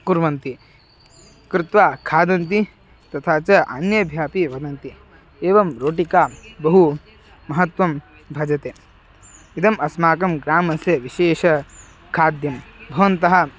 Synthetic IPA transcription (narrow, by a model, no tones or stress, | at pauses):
kuɾʋɐnt̪i | kɾɪt̪ʋaːkʰaːd̪ɐnt̪̬i | t̪ɐt̪ʰaːt͡ʃɐʔɐnjɐbʱjaːpiʋɐd̪ɐnt̪i | eːʋɐmɾoːʈikaːbɐɦu | mɐɦɐt̪ʋɐm | bʱɐd͡ʒɐt̪eː | id̪ɐmɐsmaːkɐmɡɾaːmɐsjɐʋiʃeːʂɐ | kʰaːd̪jɐmbʱɐʋɐnt̪ɐɦɐ̆